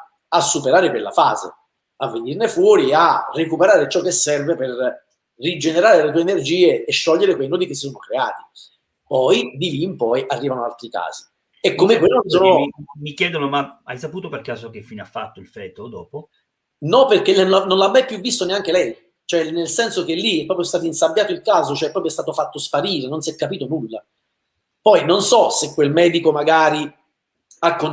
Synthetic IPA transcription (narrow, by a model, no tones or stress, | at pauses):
asːupeɾaːɾekwelːa̰fa̰ːzḛ | avːenirnefwɔːɾiarːekupeɾaːɾet͡ʃɔkːesːɛrveper | rːid͡ʒeneɾaːɾelet̪uːeenerd͡ʒiːeːʃːɔʎːeɾekwejnɔːd̪ikes̬isoːnokɾea̰ːt̪i̥ | pɔjd̪ilimpɔjʔarːiːvanoa̰lt̪ɾika̰ːzi̥ | ɛkːomekwelːononsoːnomikjɛːd̪onomaa̰jsapuːt̪operkaːsok̟efːiːneafːat̪ːoilfɛːt̪od̪ɔːpo | nɔperkennonlamːajpjuvːist̪oneaŋk̟elɛj | t͡ʃoɛnelsɛnsok̟elːiɛpːɾɔpjost̪aːt̪oinsabːjaːt̪oilkaːzot͡ʃoɛpːɾɔːpɾjoɛst̪aːt̪ofat̪ːospaɾiːɾenonsɛkːapiːt̪onulːa̰ | pɔjnonsɔsekːwelmɛːd̪ikomaɡaːɾi | akːo